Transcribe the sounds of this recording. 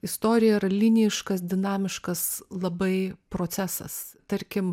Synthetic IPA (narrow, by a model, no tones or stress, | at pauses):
ɪst̪oːɾʲɪjɛiɾɐlʲinʲɪjɪʃkɐs̬d̪ʲɪnɑːmʲɪʃkɐslˠɐbɐɪpɾoːæːsɐ̰s | t̪ɐɾʲkʲɪm